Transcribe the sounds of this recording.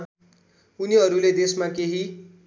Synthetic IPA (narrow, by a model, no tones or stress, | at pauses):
uniɦʌɾuled̪esmakeɦi